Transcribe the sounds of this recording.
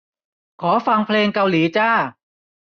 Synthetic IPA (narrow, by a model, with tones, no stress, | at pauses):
kʰɔː˩˦fa˧ŋpʰleː˧ŋka˧wliː˩˦t͡ɕaː˥˩